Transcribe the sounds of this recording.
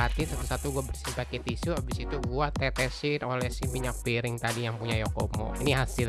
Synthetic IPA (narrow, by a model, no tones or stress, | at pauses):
at̪isat̪usat̪uɡuabərsipakit̪isuabisit̪uɡuat̪ɛt̪ɛsɪnolɛhsimiɲak̚piɾɪŋt̪adijaŋpuɲajokomɔ̰iniɦasɪl